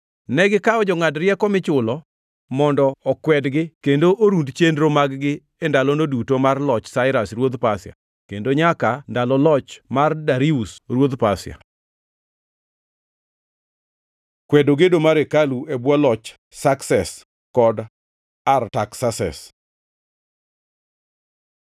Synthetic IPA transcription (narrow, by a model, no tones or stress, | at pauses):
nɛɡɪkaɔd͡ʒɔŋadɾjɛkɔmɪt͡ʃʊlɔ | mɔndɔːkwɛdɡɪkendoʔoɾundt͡ʃendɾomaɡɡɪ | endalɔnodutomarlɔt͡ʃsaɪɾasrwod̪pasɪa̰ | kendoɲakandalɔlɔt͡ʃmardaɾiusrwod̪pasja̰ | kwɛdoɡedomaɾekaluebwalɔt͡ʃ | saksɛs | kɔd | artaksasɛ̰s